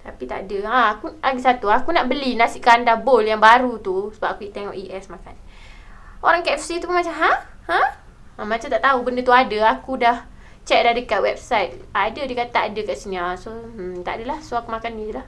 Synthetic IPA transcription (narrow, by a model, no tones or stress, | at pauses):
t̪apit̪a̰ʔdəãakuaɡisat̪uakunaʔbəlinasiʔkandaboljaŋbaɾut̪usəbap̚akuiʔt̪eŋɔʔiʔɛsmakan | oɾaŋkaɛfsit̪uunmat͡ʃamɦa | hã | ãmat͡ʃamt̪aʔt̪aubəndət̪uadəakudah | t͡ʃɛk̚dahdəkat̪̚wɛb̚sajt̪̚adədikat̪aʔadəkaʔsinasot̪a̰ʔdəlahsoakumakanilah